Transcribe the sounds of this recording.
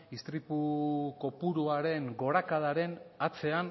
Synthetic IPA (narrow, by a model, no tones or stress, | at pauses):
ist̪ɾipuko̞puɾuaɾe̞ŋɡo̞ɾakaðaɾe̞nat͡se̞an